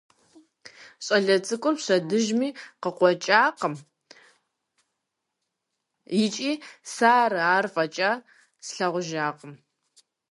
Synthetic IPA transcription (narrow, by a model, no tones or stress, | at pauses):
ɕʼɐɮɐt͡sʼɨkʷʼʊrpɕɐdɨʒmiːqəqʷɔt͡ʃʼaːqəm | jɪt͡ʃʼiːsaːrɨaːrfʼɐt͡ʃʼa | sɬɐʁʷʊʒaːqʼəm